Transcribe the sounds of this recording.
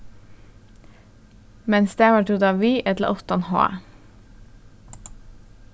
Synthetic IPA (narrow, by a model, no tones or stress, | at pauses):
mɛnsd̪eːʋɑːʈʰud̪ɑːʋiːʔɛt̪lə̰ʔɔt̪ɑnho̰ːæ̰